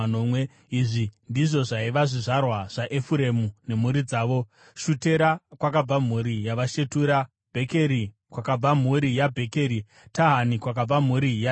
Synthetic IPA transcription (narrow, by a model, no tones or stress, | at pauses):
nomwe | iʐindiʐo̞ʐaiʋaʐiʐarwaʐ̥aʔe̞fuɾe̞mune̞m̤uɾid͡zaːʋo̞ | ʃute̞ɾakwakab͡vam̤uɾijaʋaʃe̞tuːɾa | b̥ʱe̞ke̞ɾi | kwakab͡vam̤uɾijabʱe̞ke̞ɾi | taɦanikwak̬ab͡vam̤uɾija